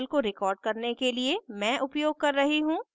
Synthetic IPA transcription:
lkoɾɪkɔːɾɖ̚kɐɾnekeliemɛ̃ːʔʊpjoːɡ̚kɐɾːɐɦiɦũː

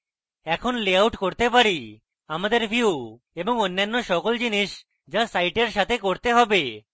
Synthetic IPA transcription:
ɛkʰonleawʈkoɾt̪epaɾi | amad̪eɾbʱiu | eboŋonːanːoʃɔkold͡ʑiniʃ | d͡ʒasajʈeɾʃat̪ʰekoɾt̪eɦɔbe

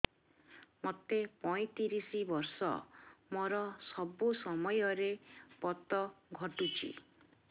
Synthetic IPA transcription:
mot̪epɔj̃t̪iɾisibɔɾsɔ̰moɾɔsɔbusɔmɔjɔɾepɔt̪ɔɡʱɔʈut͡ʃʰḭ

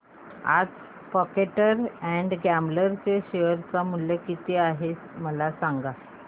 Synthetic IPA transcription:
a̰d͡z | pɔkeʈəɾɛ̃ɳɖɡæmbləɾt͡seɕeʋəɾt͡samuljəkit̪eaɦet͡sməlasaŋɡa

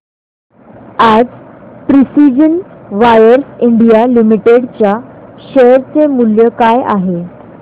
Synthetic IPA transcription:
ad͡zpɾisid͡ʑənʋajəɾsiɳɖijalimiʈeɽt͡ɕjaɕəɾt͡semuljəkajʔa̰ɦe

